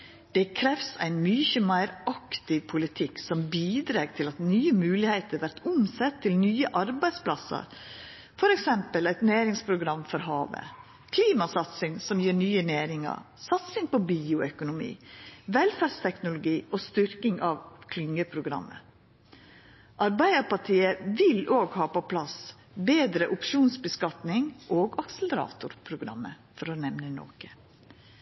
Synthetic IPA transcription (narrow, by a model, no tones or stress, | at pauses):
d̪̥ɛkʰɾɛfsæ̰ɪnmʏçəmæɪɾɑkt̪ɪʋpʰʊlɪt̪ʰɪksɔmbiːd̪ɾɑːɡt̪ʰɪlɑt̪nyːəmʉːlɪheɪt̪əɾʋæɾʈ̪ʊmsɛt̪ʰːɪlnyːəʔɑɾbæɪsplɑsə̰ɾ | fɔɾɛksɛmpəlæɪt̪næːɾɪŋspʰɾʊɡɾɑmːfɔɾɦɑːʋə̰ | kʰliːmɑsɑt̪sɪŋsɔmjiːɾnyːənæːɾɪŋɑ̰ɾ | sɑt̪sɪŋpɔbiːʊœkʊnʊmḭːʋɛlfæɾɖst̪ʰɛknʊlʊɡiːʔoːst̪ʏɾkɪŋʔɑʋkʰlʏŋːəpʰɾʊɡɾɑ̰mːə̰ | ʔɑɾbæɪəɾpɑʈʰiːəʋɪloːɡhɑːpɔpʰlɑs | beːd̪ɾəʔʊpʃuːnsbəskɑt̪nɪŋʔoːɡɑksələɾɑ̰ːt̪ʊɾpʰɾʊɡɾɑ̰mːə | fɔɾɔnɛʋnəno̰ːkə̥